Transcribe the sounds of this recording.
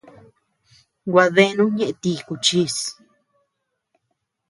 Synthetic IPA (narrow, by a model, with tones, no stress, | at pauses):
ɡʷa˧ðe˦˧˦nũ˦ɲẽ˦ʔe˧t̪i˧ku˧˨t͡ʃi˦s